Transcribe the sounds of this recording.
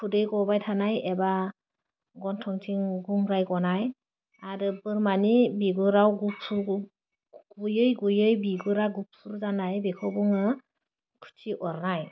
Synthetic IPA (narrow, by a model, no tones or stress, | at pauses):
pʰudɯjɡɔbajtʰanajeba | ɡɔntʰɔŋtʰiŋɡuŋɾajɡɔnaj | aɾɯbɯɾmanibiɡɯɾawɡupsu | ɡ̥ujɯjɡujɯjbiɡɯɾaɡup̚sʰuɾzanajbekʰɔwbuŋɯ | kʰu̥t͡ʃiʔɔɾnaj